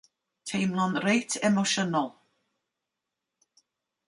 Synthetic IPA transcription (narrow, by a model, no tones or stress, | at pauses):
tʰejmlɔnɾejtʰɛmoʃɔnɔlˠ